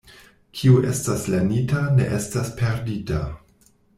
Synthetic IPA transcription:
kʰiuʔe̞̰staslenitane̞̰ʔe̞staspʰe̞ɾdita̰

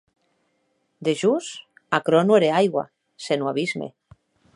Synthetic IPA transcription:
d̪eʒus | akɾonweɾeajɣwa̰ | senwaβ̞izmḛ

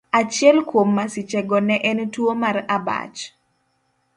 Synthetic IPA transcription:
at͡ʃɪɛlkwomːasit͡ʃɛɡɔnɛʔɛntwomaraba̰t͡ʃ

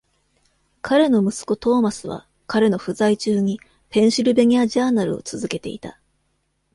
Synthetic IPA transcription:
kʰaɾe̞no̞mɯ̟sɨ̥ko̞t̪o̞ːmasɨβ̞a̰ | kaɾe̞no̞ɸɯ̟zait͡ɕɨːɲ̟i | pẽ̞ɰ̃ɕiɾɯ̟be̞ɲ̟ʲiaʑaːnaɾɯ̟̰o̞̰t͡sɨzɨke̞t̪e̞̰ḭt̪a

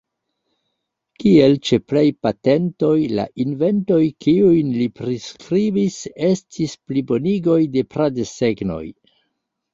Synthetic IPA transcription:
kielt͡ʃeplajpate̞nto̞jla̰ʔinve̞nto̞jkiujnlipɾiskɾibise̞stʰisplibo̞niɡo̞jde̞pɾadese̞ɡno̞̰j

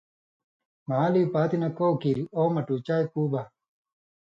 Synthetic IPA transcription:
maːliːpaːt̪inɐkowkiɾioːmɐʈuːt͡ɕaːjkuːba

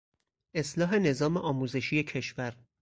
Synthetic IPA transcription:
ʔe̞slɒːɦe̞ne̞zɒːmeʔɒːmuːze̞ʃiːje̞cʰe̞ʃvæɾ

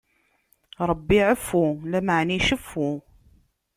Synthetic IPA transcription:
ɾˤəbːiʕəfːulæməʕnijʃəfːu

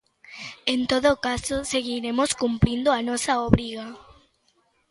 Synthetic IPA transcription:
ent̪oðokasoseɣiɾemoskumpɾĩnd̪oanɔsɐoβɾiɣa

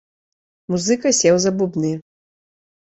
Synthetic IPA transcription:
muzɨkɐsʲɛwzɐbubnɨ

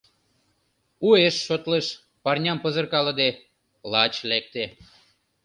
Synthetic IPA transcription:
ueʃːot̪leʃ | pɑrnʲɑmpəzə̆rkɑlɤ̆d̪e | lɑt͡ɕlek̚t̪e

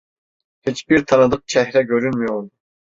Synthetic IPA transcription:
het͡ʃbiɾt̪ʰɑnɨd̪ɯq̚t͡ʃʰɛɦɾɛɡʲøɾynmyjol

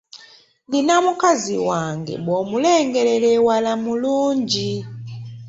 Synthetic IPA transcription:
nlinamukaziwaŋɡɛ̰mɔmulɛŋɡɛɾɛlɛwalamulund͡ʒi

